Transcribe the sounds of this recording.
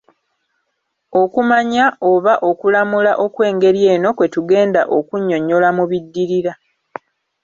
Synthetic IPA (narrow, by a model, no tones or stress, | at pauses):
o̞kumaɲao̞βaʔo̞kulamulaʔo̞kwe̞ːŋɡe̞ɾje̞ːno̞kwe̞tuɡe̞ːnda̰ʔokuɲːo̞ɲːo̞lamuβidːiɾiɾa